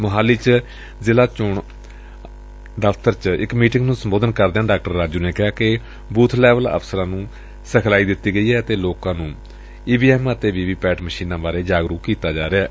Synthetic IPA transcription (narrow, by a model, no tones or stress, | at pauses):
məɦaːliːt͡ʃ | zɪlaːt͡ʃʊɳ | ɖəpʰt̪əɾt͡ʃɪkmiːʈɪ̃ŋɡnũːsəmboːd̪ənkəɾd̪eaːɖaːk̚ʈəɾːaːd͡ʒuːneːkɪɦaːkɪ | buːt̪ʰlɛːʋələ̰pʰsəɾãːnũː | səkʰlaːiːd̪ɪt̪ːiːɡəiːɦɛːət̪eːloːkãːnũː | iːbiːɛːmət̪eːʋiːʋiːpɛːʈməʃiːnãːbaːɾeːd͡ʒaːɡɾuːkːiːt̪aːd͡ʒaːɾeɛː